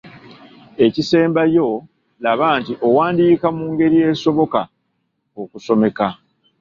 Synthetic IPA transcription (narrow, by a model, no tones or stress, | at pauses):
e̞cise̞ːmbajo̞ | laβaːntiʔo̞waːndiːkamuːŋɡe̞ɾije̞ːso̞βo̞ka | okuso̞me̞ka